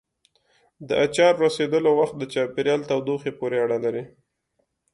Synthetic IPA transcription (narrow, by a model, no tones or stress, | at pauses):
d̪əʔat͡ʃɑɾɾased̪əlowaxt̪̚d̪ət͡ʃɑpeɾjɑlt̪awd̪oxepoɾeaɽalaɾi